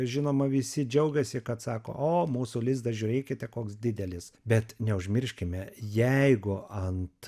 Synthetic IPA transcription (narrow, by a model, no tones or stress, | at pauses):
ʒʲɪnoːmɐʋʲɪsʲɪd͡ʒʲɛʊɡʲɛsʲɪkɐt̪sɑːko̰ːʔoːmuːsulʲɪzd̪ɐʒʲʊːɾʲeːkʲɪt̪ʲɛkoːksd̪ʲɪd̪ʲɛlʲɪsbʲɛt̪nʲɛʊʒʲmʲɪɾʲʃʲkʲɪmʲɛjɛɪɡʊɐnt̪